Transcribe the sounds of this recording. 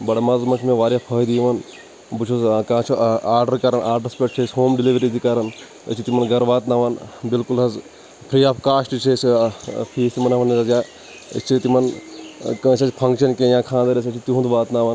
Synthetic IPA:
bɐɽemɐzmɐkʰmẽʋaːɾjaːpʰəːd̪iʋɐn | but͡ʃʰuzkãːt͡ʃʰuaːɾɖəɾkɐɾɐnʔaːɾɖɐɾspʲeʈ̚t͡ʃʰisʲɦoːmɖiliʋɾid̪ikɐɾɐn | ə̰t͡ʃʰit̪imɐnɡɐɾʋaːt̪naːʋɐnbilkulɦɐz | pʰɾiːaːfkaːsʈt͡ʃʰeːspʰiːst̪imɐnɐʋɐnizɐzjaː | ḭt͡ʃʰit̪imɐnkə̃ːt͡ʃɐt͡ʃʲpʰɐŋkʃɐnkẽːjãːkʰãːnd̪ɐɾɐs̬ɐt͡ʃʰit̪iɦũːnd̪ʋaːt̪naʋɐn

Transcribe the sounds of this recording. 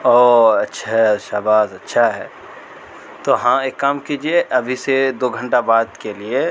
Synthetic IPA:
oːɐtːʃʰaɦʃaːbaːzɐtːʃʰaɦɛ̰ː | t̪oːɦãeːkːaːmkiːd͡ʒieʔɐbʱised̪oːɡʱə̃ɳʈabaːd̪kelie

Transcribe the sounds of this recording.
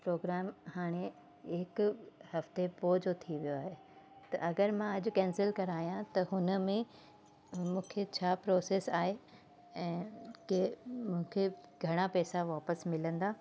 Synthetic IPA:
pɾoːɡɾaːmhaːɽ̃e | ɪkʊhɐft̪epoːd͡ʑot̪ʰiʋijoaːɦe | t̪ɐ̰ʔɐɡəɾmãɐd͡ʑʊkɛ̃ːnsɪlkɐɾaːjãt̪ɐɦʊnə̆mẽ | mũːkʰet͡ɕʰaːpɾoːseːsaːɦe | ɛ̃ːkemũːkʰeɡʱɐɽ̃apɛːsaʋaːpəsmɪlə̃nd̪aː

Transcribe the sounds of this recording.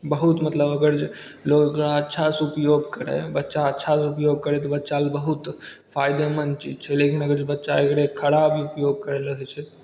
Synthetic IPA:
bəɦut̪mət̪ləbəɡəɾd͡ʒeloɡekɾaətːʃʰaseupjoɡkəɾɛ̰bətːʃaətːʃʰaseupjoɡ̚kəɾɛt̪ɔbətːʃalbəɦut̪pʰajd̪emənt͡ʃid͡ʒt͡ʃʰɛlekinəɡəɾd͡ʒebətːʃaekɾekʰəɽabiupjoɡ̚kəɾɛləɦɛt͡ʃʰɛ

